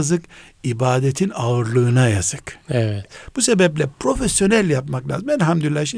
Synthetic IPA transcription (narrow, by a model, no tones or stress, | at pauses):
zɯkibaːd̪et̪ʰinaɯɾlˠɯːnajaz̥ɯkɛvɛt̪b̥use̞bɛplʲɛpɾo̞fesjo̞nælʲjapmaklʲa̰ːzɯmælʲɦamd̪yilːaʃi